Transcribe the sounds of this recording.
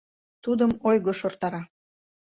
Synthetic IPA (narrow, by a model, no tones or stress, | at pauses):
t̪ud̪əmojɣoʃort̪ɑɾɑ